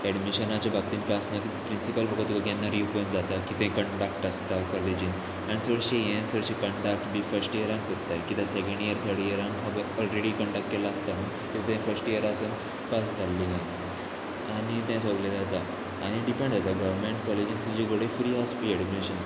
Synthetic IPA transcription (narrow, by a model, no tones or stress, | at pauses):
ɛɖmiɕənat͡ɕabʱak̚t̪iːnpasnat̪ipɾinsipəlbəkət̪kəɡenːaɾiupnd͡zat̪akit̪ẽkəɳɖak̚ʈəst̪akɔled͡ʑin | anisəɽɕejẽsəɽɕikəɳɖak̚ʈbʱiːfəɾsʈijəɾãŋkəɾt̪ːajkit̪ãsekẽɳɖijəɾt̪ʰeɽijəɾãŋkʰaɡɔlɾeɽikə̃ɳɖak̚ʈkelaːst̪aɦ | t̪et̪ẽfəɾsʈijəɾaːsən | pasd͡zʱalːiɦã | aɽ̃it̪ɛ̃s̬əɡled͡zat̪aː | ɽ̃iɖipẽɳɖd͡zat̪aɡəʋəɾmeɳʈkɔled͡ʑint̪ud͡ʑeɡəɽefuɾiaspiɛɖmiɕən